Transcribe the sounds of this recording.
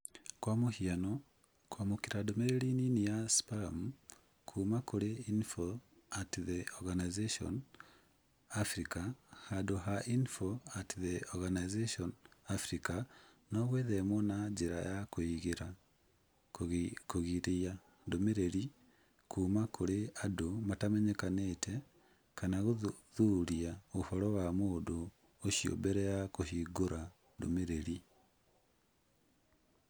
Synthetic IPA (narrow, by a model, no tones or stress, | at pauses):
kwamohiano | kwamokiɾadomeɾeɾininijaspaɾamu | kʰuːmakoɾeinfo | atðeɔɣanajzeʃɔ̰n | afɾikahadoɦaʔinfoatiðeɔɣanazeʃɔnafɾika | nɔɣweðemwɔnad͡ʒeɾa̰jakoiɣeɾa | koɣiɾeja | ndomeɾeɾi | kʰumakʰoɾeadomatamɛɲɛkanetʰɛ | kanaɣoðuɾiaofɔɾɔwamodoː | ʃjo̰mbɛɾɛjakohiɡoɾa | do̰meɾeɾi